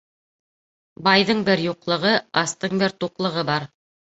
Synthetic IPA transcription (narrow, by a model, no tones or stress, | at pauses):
bɑjðɤɴbɘɾjuqlˠɤ̆ʁɤɑst̪ɤɴbɘɾt̪uqlˠɤ̆ʁɤbɑɾ